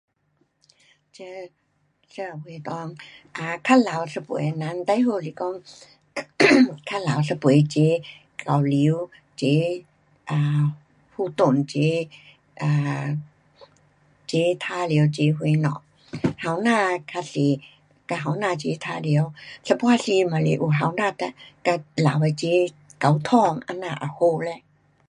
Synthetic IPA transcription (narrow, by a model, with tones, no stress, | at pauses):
t͡ɕə˧˦ | swu˧˦t̪ɔː˧ŋ | ʔaː˧˩kʰa˧˥la˨˦wsa˧pṵ˨˦jna˧˥nt̪a˧˨jɦoː˧˩li˧˦kɔ˧˨ŋ | kʰa˧˩laː˨˦wsa˧pjt͡ɕe˨˦ | ka˨˩wli˨˦w | t͡ɕe˨˧˦ | ʔaː˧˨˩ | pʰuː˧t̪o˨˩nt͡ɕe˧˦ | ʔaː˧˩ | t͡ɕe˨˧˦t̪ʰaː˧˥˨li˨˦ə˦˧wt͡ɕe˨˦ɦwe˧˦jnɔ̰˧˨ | ha˨˧˦wnaː˧˨kʰa˧se˨˦ | ka˧ɦa˨˩˦wnaː˧t͡ɕe˨˦t̪ʰaː˧˥li˨˦ə˦˧wsə˧pwaː˧˨si˧ma˨le˧˦ʔu˧˩ɦa˨˦wnaː˧˨t̪a˧ka˧laː˨˦wa˧t͡ɕe˨˦ | ka˨˦wt̪ʰɔ˧˩˨ŋʔa̰˧naː˧˩ʔa̰˨˩ho˧˨lɛ˧˨